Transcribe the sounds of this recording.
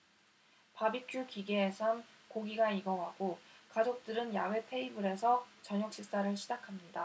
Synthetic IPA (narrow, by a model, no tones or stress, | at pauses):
pabik͈ukiɡeːsʰankoɡiɡaiɡʌŋɦaɡokad͡ʑok̚t͈ɯɾɯnjawe̞pʰe̞ibɯɾe̞sʰʌt͡ɕʌɲok̚ɕ͈is͈aɾɯɭɕʰid͡ʑakʰamɲida